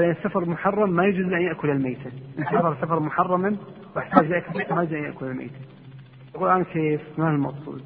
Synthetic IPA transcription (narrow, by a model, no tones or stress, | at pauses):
ʔɪnɪsːafɑɾˤmʊħɑrˤːɑmːajʊd͡ʒɪzʔanjaʔkʊlɪlmeːt̪aʔɪnːsafɑɾˤsafɑɾˤmʊħɑrˤːɑmɪn | waħt̪aːd͡ʒjaʔkʊlmeːt̪amajɪd͡ʒzʔanjaʔkʊlɪlmḛːt̪a | t̪aquːlʔaːnakeːfɪnaɪlmɑqsˤṵːl